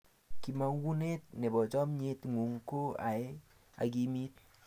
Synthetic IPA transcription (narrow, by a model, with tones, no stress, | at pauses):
ki˨ma˨˦wu˦ne˦t̚ne˨bɔ˨t͡ʃɔ˦mɲe˦tŋu˨ŋko˦a̰˨e˦ | a̰˨ki˦mi˦t̚